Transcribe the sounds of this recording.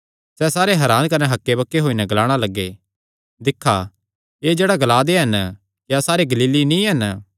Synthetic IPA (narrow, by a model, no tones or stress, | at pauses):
sɛsaːɾeɦɛɾaːnkɐnɛɦɐkːebɐkːeɦoːinɛɡɐlaːɽ̃alɐɡːe | d̪ɪkʰːa | eːd͡ʒeːɽaɡɐlaːd̪eɦɐn | kjasaːɾeɡɐliːlinĩɦɐn